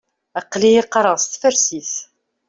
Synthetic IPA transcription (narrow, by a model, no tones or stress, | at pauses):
əqːlijiqːɑɾˤəʁˤst̪fæɾsiθ